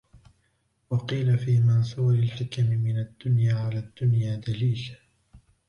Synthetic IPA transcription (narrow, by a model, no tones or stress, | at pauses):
wɑqiːlafiːmansˤuːɾɪlħɪkamɪmɪnad̪ːʊnjaːʕalaːd̪ːʊnjaːd̪aliːl